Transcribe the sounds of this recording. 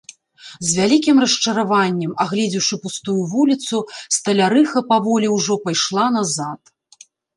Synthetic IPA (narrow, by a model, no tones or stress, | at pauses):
zʲvʲalʲikʲimrɐʂt͡ʂɐɾavanʲːɛmaɣlʲɛd͡zʲiwʂɨpust̪ujuvulʲit̪sust̪ɐlʲaɾɨxɐpavɔlʲiwʐɔpajʂlˠanazat̪